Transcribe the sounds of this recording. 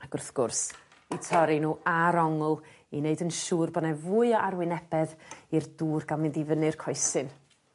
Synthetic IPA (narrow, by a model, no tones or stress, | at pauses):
aɡ̥ʊrθɡ̥ʊrs | itʰɔɾinuːaɾɔŋʊlˠ | ineɨdənʃuːrbɔnɛvuːɨɔʔarwɪnɛb̥ɛðirduːrɡalˠmɪndivənɨrkʰɔɨsɨn